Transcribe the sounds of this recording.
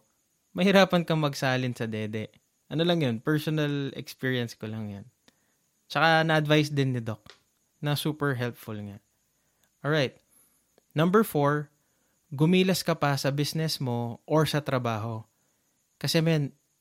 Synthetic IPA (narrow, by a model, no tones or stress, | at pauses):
mɐhɪɾaːpɐnkɐŋmɐɡsɐaːlɪnsɐd̪ɛːd̪ɛ | ʔɐnolɐŋjonpɛɹsonɐlɛ̰kspiːɹiɐnskolɐŋjon | t͡ʃɐkanɐʔɐd̪vajsd̪ɪnːɪd̪ok̚ | nɐsuːpɛɹɦɛlpfʊlŋa | ʔolɹajt̪̚ | nɐ̃mbɛɹfoɹ | ɡʊmiːlɐskɐpɐsɐbisnɛsmo̞ʔoɹsɐt̪ɾɐbaːɦo̞ | kɐsɛmjan